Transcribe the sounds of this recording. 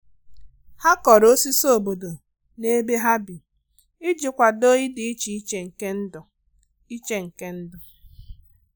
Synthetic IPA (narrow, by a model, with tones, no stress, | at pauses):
ha˦kɔ˨ɾo˦si˦so˦˨bo˨do˨ | ne˦be˦ɦa˦bi˨ | ɪ˦d͡ʒɪ˨kʷa˨do˦ɲi˦dɪ˨i˦t͡ʃi˨i˦t͡ʃe˨ŋ̩˨ke˦n̩˦d | i˦t͡ʃe˦ŋ̩˨ke˦n̩˦dɔ˨